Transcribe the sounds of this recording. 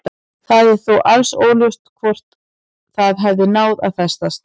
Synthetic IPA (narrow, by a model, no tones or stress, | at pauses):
θaðɪɾθowʔalsoːwljʏst̪kʰvɔr̥t̪ | θaðɦɛvðɪnaːwða̰ðθɛst̪as